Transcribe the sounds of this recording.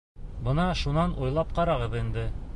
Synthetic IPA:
bɤ̆nɑʃunɑnʔujlˠɑp̚qɑɾɑʁɤðind̪ɘ

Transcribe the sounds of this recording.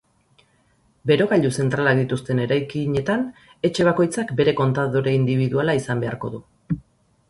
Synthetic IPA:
be̞ɾo̞ɣaʎuse̞nt̪ɾalakd̪it̪ust̪e̞ne̞ɾajkiɲe̞t̪an | e̞t͡ʃe̞β̞ako̞jt͡sakbe̞ɾe̞ko̞nt̪aðoɾe̞ind̪iβ̞iðualaisambe̞aɾko̞ðu

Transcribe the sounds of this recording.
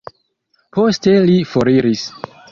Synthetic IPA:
pʰo̞ste̞lifoɾiɾis

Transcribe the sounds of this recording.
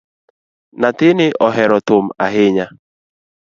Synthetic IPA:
natɪnɪʔɔɦɛɾɔtʊma̰ɦɪɲa

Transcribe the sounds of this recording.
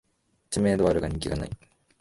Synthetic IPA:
t͡ɕimeːd̪oaɾɯ̟ɡaɲĩŋkʲiɡa̰na̰i

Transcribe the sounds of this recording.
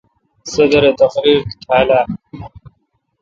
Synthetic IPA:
sɐd̪ɐɾet̪ɐxɾiːɾt̪ʰaːlaː

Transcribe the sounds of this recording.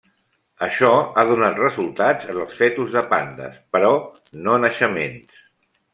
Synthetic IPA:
əʃɔaðunat̪rəzulˠt̪ad͡zənəlˠsfɛt̪uzðəpand̪ə̰spəɾɔ | nonəʃəmḛns

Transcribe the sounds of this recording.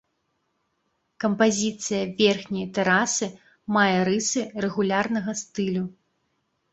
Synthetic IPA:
kɐmpazʲit̪sɨjɐvʲɛrxnʲɐjɐt̪ɛɾasɨ | majɛɾɨsɨrɛɣulʲarnɐɣɐst̪ɨlʲu

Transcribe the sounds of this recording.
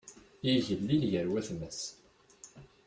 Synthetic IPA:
iʝəlːilʝəɾwæθməs

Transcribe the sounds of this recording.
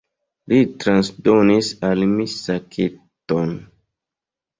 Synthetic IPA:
litɾansdonisalmisakʰeton

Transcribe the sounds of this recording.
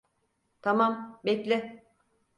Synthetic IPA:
t̪ʰamambeclʲɪ

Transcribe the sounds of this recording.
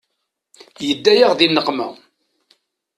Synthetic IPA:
jəd̪ːæjaʁðinːəqmæ̰

